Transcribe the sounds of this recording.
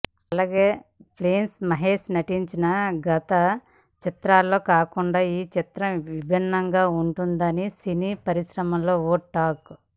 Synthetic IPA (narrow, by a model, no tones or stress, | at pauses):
ɐlaːɡe̞ːpʰleːnsmɐɦeːʂnɐʈiɲt͡ʃinɐɡɐt̪ɐ | t͡ʃit̪ɾaːlːo̞ːkaːkuɳɖaːiːt͡ʃit̪ɾɐmʋibʱinːɐŋɡaːuɳʈund̪ɐnisiniːpɐɾiʃɾɐmɐmlo̞ːoːʈʈːaːk